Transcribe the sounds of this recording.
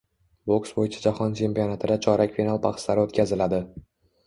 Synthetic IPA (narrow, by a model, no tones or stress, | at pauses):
boksbojɪt͡ʃʰḁd͡ʒahɒnt͡ʃʰe̞mpijɒnat̪ʰɪd̪at͡ʃʰɒɾakʲfʲinalˠpʰaχslaɾɪot̪kʲazɪlad̪ɪ